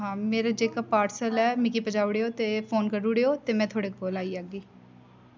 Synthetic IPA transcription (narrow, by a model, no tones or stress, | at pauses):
ɦãːmeːɾaːd͡ʒeːkaːpaːʈsəlɛːmɪkiːpəd͡ʒaːʊɽeːoːt̪eːpʰoːnkəɾɖuɽeːoːt̪eːmɛ̃ːt̪ʰoːɽeːkoːlaːiːaːɡiː